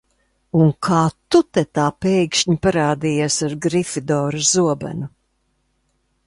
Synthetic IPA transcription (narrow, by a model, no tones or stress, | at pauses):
uŋkʰaːt̪ut̪ɛt̪aːpɛjkʃɲipaɾaːd̪iːjasaɾɡɾifid̪ɔːɾazuɔbæ̰nu